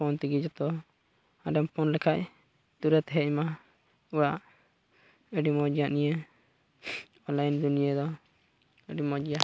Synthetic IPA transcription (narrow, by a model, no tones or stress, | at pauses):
pɔnt̪iɡid͡ʒɔt̪ɔ | aɖɛmpɔnlɛkʰaʔ | t̪uɾət̪ɦɛʔma | uɽaʔ | əɖimɔd͡ʒijaʔnijə | ɔlajnd̪unijad̪ɔ | əɖimɔd͡ʒija